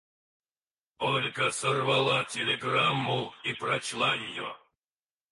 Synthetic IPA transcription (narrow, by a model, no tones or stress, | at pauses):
olʲkəsərvalˠatʲelʲeɡramːuipɾɐt͡ɕlˠajɪjo